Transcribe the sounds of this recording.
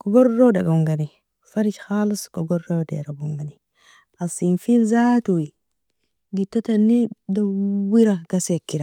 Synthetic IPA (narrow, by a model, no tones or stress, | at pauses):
kɔɡɔɾːowdaɡaŋɡani | faɾit͡ʃxaliskoɡoɾːodḛɾabuŋɡani | asinfinzatuwi | ɡitːatanːidawiɾaɡ̥asekːiɾa